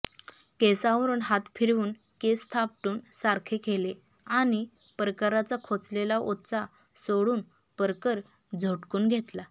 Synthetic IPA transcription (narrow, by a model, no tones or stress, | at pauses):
kesaʋəɾuːnɦat̪fʰiɾuːn | kest̪ʰap̚ʈuːnsaɾkʰekʰele | añi | pɾəkaɾat͡sakʰot͡slelaʔot̪t͡sa | soɽuːn | pəɾkəɾ | d͡zʱəʈkuːnɡʱet̪la